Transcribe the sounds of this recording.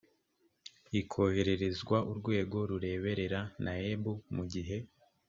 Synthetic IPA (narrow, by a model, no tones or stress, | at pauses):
ikʰo̞he̞ɾe̞ɾe̞zɡwaʔuɾɡwe̞ːɡo̞ɾuɾe̞ːβe̞ɾe̞ɾanaebumuɟiɦe̞